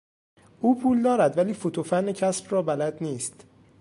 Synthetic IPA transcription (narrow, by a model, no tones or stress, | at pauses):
ʔuːpʰuːld̪ɒːɾæd̪væliːfot̪ʰofænːecʰæsbrɒːbælæd̪niːst̪